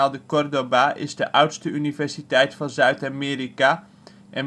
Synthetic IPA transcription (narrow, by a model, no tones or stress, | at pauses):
alˠdəkɔrdobaʔɪ̰zdəʔʌwtstəynivɛrsitɛjtfɑnzœɥtamɪːrika | ʔɛn